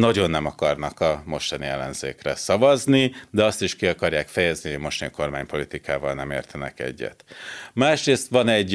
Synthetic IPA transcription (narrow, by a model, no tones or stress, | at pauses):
nɒɟo̞nːɛmɒkɒrnɒkɒmo̞ʃt̪ɒniɛlːɛnz̥ḛːkrɛ̰sɒvɒznid̪ɛɒst̪iʃkiɒkɒrjaːkfɛjɛzniojmo̞ʃt̪ɒɲkʰo̞rmaːɲpo̞lit̪ikaːvɒlnɛmeːrt̪ʰɛnɛ̰kɛ̰ɟːɛ̰t̪maːʃreːst̪ʋɒnɛɟ